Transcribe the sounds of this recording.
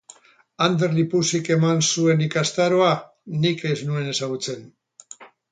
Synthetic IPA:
and̪e̞ɾlipusike̞mansue̞nikast̪aɾoa | nikeznue̞ne̞saɣ̞ut͡se̞n

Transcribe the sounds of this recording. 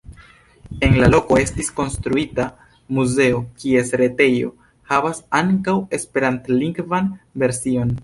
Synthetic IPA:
e̞nlalo̞ko̞e̞stisko̞nstɾuita | muze̞okie̞sɾe̞te̞jo̞̰ | havasaŋkawe̞spe̞ɾantliŋɡvanve̞ɾsio̞n

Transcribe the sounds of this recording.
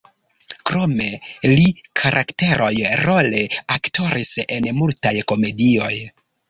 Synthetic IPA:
kɾo̞me̞likʰaɾʔakte̞ɾʔo̞jɾole̞akto̞ɾise̞nmultajko̞me̞dio̞j

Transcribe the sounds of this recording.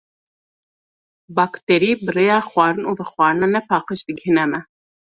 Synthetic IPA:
bɑːkt̪eɾiːbɨrejɑːxwɑːɾɨnuːvɨxwɑːɾɨnɑːnɛpʰɑːqəʃd̪ɨɡhɨnɛmɛ

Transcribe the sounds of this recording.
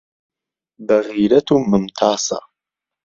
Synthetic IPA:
bɐɣiːɾat̪ʰuməmt̪ʰaːsa̰

